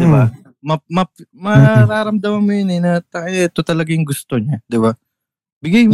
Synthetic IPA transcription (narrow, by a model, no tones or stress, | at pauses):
d̪ɪba | mɐmɐpmɐɾaːɾɐmd̪ɐmɐnmojonɛnɐt̪ɐɛt̪ot̪ɐlɐɡajʊŋɡʊst̪oɲad̪ɪba | bɪɡajm